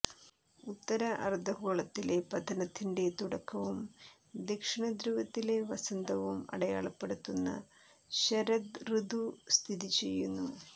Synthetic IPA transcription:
ut̪ːɐɾɐʔɐrd̪ʱɐkoːɭɐt̪ːile̞pɐd̪ʱɐnɐt̪ːinɖe̞t̪uɽɐkːɐʋum | d̪ekʂiɳɐd̪ɾuːʋɐt̪ːile̞ʋɐsɐnd̪ɐʋumɐ̰ɽɐja̰ːɭɐpːeɽut̪ːunːɐ̰ | ɕɐɾɐd̪rɨd̪ʱust̪ʰiðit͡ɕe̞jːunːu

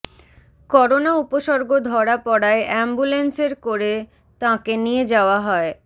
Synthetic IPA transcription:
kɔɾonaupoʃɔɾɡod̪ʱɔɽapɔɽaeʔɛmbulenseɾkoɾe | t̪ãkenied͡ʑaoaɦɔe

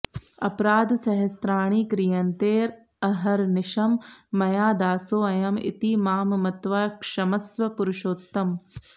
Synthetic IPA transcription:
ɐ̰pɾaːd̪sɐɦɐst̪ɾaːɳ̃iːkɾijɐnt̪eːɾ | ɐɦɐɾnɪʃɐmːɐjaːd̪aːsoːɐjɐmḭt̪imaːmmɐt̪ʋaːkʂɐmɐsʋɐpuɾʊʃoːt̪ːɐm

